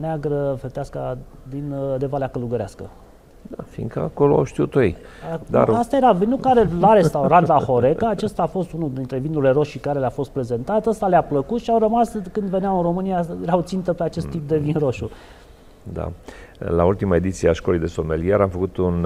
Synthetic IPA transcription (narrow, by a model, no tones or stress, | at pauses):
neaɡɾəfet̪easkad̪ind̪e̞valeakəluɡəɾeaskə̰ | d̪afḭŋkəa̰koloa̰wʃt̪iut̪ojej | ad̪a̰ast̪aje̞ɾavinukaɾelaɾe̞st̪awɾand̪axo̞ɾe̞kəat͡ʃest̪aːfo̞st̪unuld̪int̪ɾe̞vinuɾle̞ɾo̞ʃikaɾe̞leafo̞st̪̚pɾe̞ze̞nt̪at̪əst̪aleapləkut̪ʃiawrəmaskɨnd̪ve̞neawɨnro̞mɨnijajeɾawt̪sint̪əpeat͡ʃe̞st̪ːip̚d̪e̞vinɾo̞ʃu | d̪a̰la̰ult̪imae̞d̪it̪sieaʃkolejd̪esomelijeɾamfəkut̪un